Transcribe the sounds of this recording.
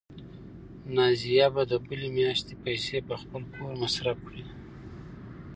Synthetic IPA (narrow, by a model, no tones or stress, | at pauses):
nɑzijabad̪əbəlemjɑʃt̪epajsepəxpəlkʰoɾmasɾafkɽi